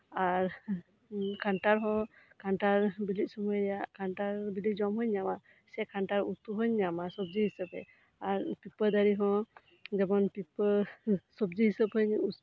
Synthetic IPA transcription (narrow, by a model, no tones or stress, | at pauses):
aɾ | kʰaɳʈaɾɦɔ̃ | kaɳʈaɾbilic̪̚sumɔjɾɛjaʔkaɳʈaɾbilic̚d͡ʒɔmɦɔɲːama | sɛkʰaɳʈaɾut̪uɦɯɲːamasɔb̚d͡ʒiɦisəbɛ̰ | aɾpipəɾd̪aɾiɦɔ̃ | d͡ʒɛbɔnpipəɾsɔbd͡ʒiɦisəpɦɯɲu